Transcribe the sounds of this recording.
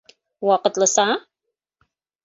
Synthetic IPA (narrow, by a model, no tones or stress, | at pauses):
waqətləsaː